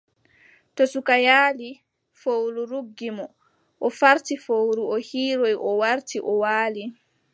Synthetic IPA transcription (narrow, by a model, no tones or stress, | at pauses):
tosukajaːli | fowluɾuɡːimɔ | ʔɔfaɾtifowɾuɔhiːɾojʔɔwaɾtʰiʔɔwaːli